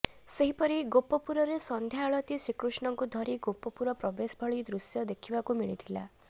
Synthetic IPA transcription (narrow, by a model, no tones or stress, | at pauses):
seɦipɔɾiɡopɔpuɾɔɾesɔnd̪ʱjaɭɔt̪isɾikɾusɳɔŋkud̪ʱɔɾiɡopːɔpuɾɔpɾɔbesbʱɔɭid̪ɾusjɔd̪ekʰibakumiɭit̪ʰila̰